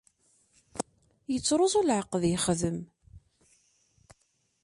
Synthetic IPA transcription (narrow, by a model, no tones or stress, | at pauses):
jət͡sːɾˤozˤʊlʕəqːəðjəχðəm